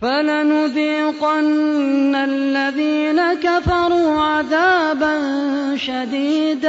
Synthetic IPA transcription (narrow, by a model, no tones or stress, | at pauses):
falanʊd̪iːqanːalːaðiːnakafɑɾˤuːʕaðaːbanʃad̪iːd̪